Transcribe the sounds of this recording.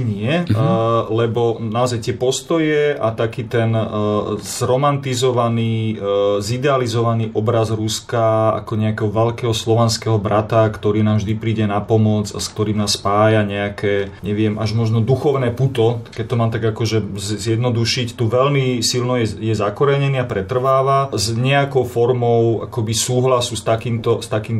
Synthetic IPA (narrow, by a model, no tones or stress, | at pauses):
ɲɪɛ | lɛbɔnaɔzajt̪ɪɛpɔst̪ɔjɛʔat̪akiːt̪ɛn | z̥ɾɔmant̪izɔʋaniːzid̪ɛalizɔʋaniːʔɔbɾazɾuskaa̰kɔɲɛakɛɦɔʋɛʎkɛːɦɔslɔʋɛnskɛɦɔbɾat̪akt̪ɔɾiːnaːmvʒd̪ipɾiːɟɛnapɔmɔd͡za̰skt̪ɔɾiːmnaːspaːjaɲɛakʰɛːɲɛʋɪɛmʔaʒmɔʒnɔd̪uxɔʊnɛːput̪ɔkɛc̚ʲt̪ɔmaːmt̪aɡakɔʒɛzzjɛd̪nɔd̪uʃict̪uʋɛlmisilnɔjɛjɛzakɔɾɛɲɛniːapɾɛt̪r̩ʋaːʋazɲɛakɔʊfɔɾmɔʊa̰kɔbisuːɦlasuːst̪akiːmt̪ɔst̪akiːm